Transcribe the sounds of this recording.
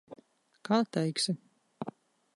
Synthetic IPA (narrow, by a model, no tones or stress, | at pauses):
kaːt̪ɛjksʲɪ